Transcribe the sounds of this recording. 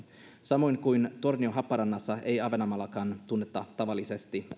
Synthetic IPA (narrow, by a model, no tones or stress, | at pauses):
sɑmo̞jŋkujnt̪o̞rnioɦɑpːɑɾɑnːɑsːɑe̞jɑʋenɑmɑlːɑkɑːnt̪unːet̪ːɑt̪ɑʋɑlːisest̪i